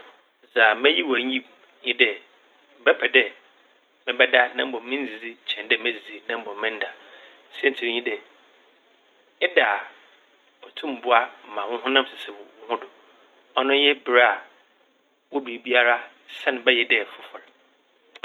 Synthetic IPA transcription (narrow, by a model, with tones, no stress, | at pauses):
za˨mɛ̃˦ji˦wæ˨˦ĩ˦ | ɲĩ˦dɛ˨ | m̩˨bɛ˦pʰɛ˨dɛ˦ | mɪ̃˦bɛ˦da˦nã˦m̩˦bɔ̃˨m˨mɪ̃˦n˦zi˨d͡zi˦t͡ɕʰɛ̃˨ndɛ˦˨mæ̃˦zi˨zi˨nã˦m̩˦bɔ̃˨mː˦ɪ̃˦n̩˦da˨ | sɛ˦˨n˨tʰɪ̃˨˦ɲĩ˦dɛ˨ | ɛ˦da˨ | ɔ˨tʰũ˦m˨bʊ˦a˦m̩˨mã˨wʊ̃˦ɦʊ̃˦nã˦m˦sɪ˨sɪ˨bʊ˨wʊ̃˦hʊ̃˦dʊ˨ | ɔ˦nʊ̃˦jɛ˦bɪ˨ɾa˦a˨ | wʊ˦du˨bi˦a˦ɾa˦ | sɛ˦nʊ̃˨bɛ˦jɛ˨dɛ˨fʊ˨fɔ˨l